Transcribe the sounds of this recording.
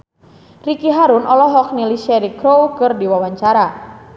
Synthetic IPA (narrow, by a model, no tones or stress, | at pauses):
rikiɦaɾunʔɔlɔɦɔk̚nilisɛɾikɾowkɨrdiwawaɲt͡ʃaɾa